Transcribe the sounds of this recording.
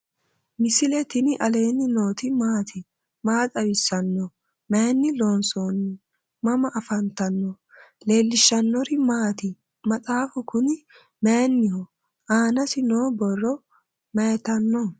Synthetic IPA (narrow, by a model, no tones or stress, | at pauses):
mɪsɪlɛt̪ɪnɪʔɐle̞ːnːɪnoːt̪ɪmaːt̪ʰɪ | maːt̪ʼɐwɪsːɐnːɔ | menːɪlo̞ːnsoːnːɪ | mɐmɐʔɐfɐnt̪ɐnːɔ | le̞ːlːɪʃːɐnːɔɾɪmaːt̪ɪ | mɐt͡sʼaːfʊkʊnɪ | mejnːɪhɔ | ʔaːnɐsɪno̞ːbɔrːɔ | mɛjt̪ɐnːɔ